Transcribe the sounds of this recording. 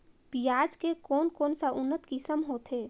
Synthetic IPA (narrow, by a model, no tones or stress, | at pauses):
pijaːd͡ʒkekoːnkoːnsəʔʊnːət̪kisəmɦoːt̪ʰe